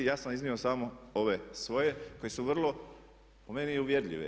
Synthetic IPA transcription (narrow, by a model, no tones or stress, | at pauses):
jaːsanizniosamooʋe̞sʋo̞je̞ko̞je̞suʋr̩lˠo̞ | po̞me̞niuʋje̞ɾʎʲḭʋḛ